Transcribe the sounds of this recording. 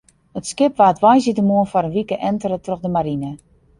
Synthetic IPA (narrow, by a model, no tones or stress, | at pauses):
ətskɪpʋaːtʋajsitəmuənfɔɾənʋikəʔɛntəɾətroxdəmaɾinə